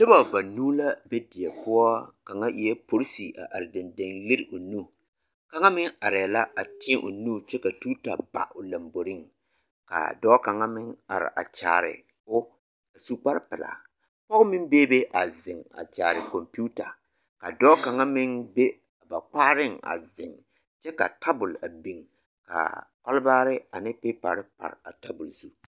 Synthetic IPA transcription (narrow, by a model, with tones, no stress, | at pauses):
nɨ˦ba˨ba˨nuː˦la˦be˦dɪ˨ɛ˨pʊ˦ɔ˦ka˨ŋa˦ʔi˨ɛ˦po˨ɾsi˨ʔa̰˨ʔa˨ɾɪ˨dɪ˨ndɪ˨ŋlɪ˦ɾɪ˨ʔʊ˨nu˦˨ | ka˦ŋa˦mɪ˦ŋa˨ɾɪ˨la˦ʔa˨tɪ˦ɛ˦ʔʊ̰˨nu˦t͡ʃɛ˦ka˨tu˦ta˨ba̰˨ʔʊ˨la˨mbo˨ɾɪ˦ŋ | ka̰˨dɔː˦ka˨ŋa˦mɪ˦ŋa̰˨ɾɪ̰˨ʔa̰˨t͡ʃa̰ː˨ɾɪ̰˨ | ʊ˦ | a˨su˦k͡pa˦ɾpɪ˨la̰˨ | pɔ˦ɣʊ˦mɪ˦n˦beː˦be˦ʔa˨zɪ˨ŋa̰˨t͡ʃaː˨ɾɪ˨ko˨mpu˦ta˨ | ka˨dɔː˦ka˨ŋa˦mɪ˦ŋbe˦˨ | ba˨k͡pa˦ɾɪ˦ŋa̰˨zɪ˨ŋ | t͡ʃɛ˦ka̰˨tʰa˦bʊ˨la˨bi˦˨ŋ | ka̰˨k͡pa˦lbaː˦ɾɪ˦a̰˨nɪ˦pɪ˦pa̰˨ɾɪ˦pa̰˨ɾa˨ta˦bʊ˨lsu˦